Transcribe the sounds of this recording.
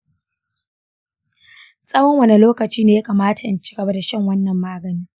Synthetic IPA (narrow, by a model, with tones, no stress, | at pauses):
sʼɐ˦wɐ˦ŋwɐ˦ne˨loː˦kɐ˨t͡ʃiː˦neː˨ja˦kaː˨maː˦tʰa˨ʔa˦nt͡ʃi̥˦ɡɐ˨ba˦da˨ʃɐ˦ŋwɐ˦nːɐ˨mːaː˦ɡɐ˨niː˦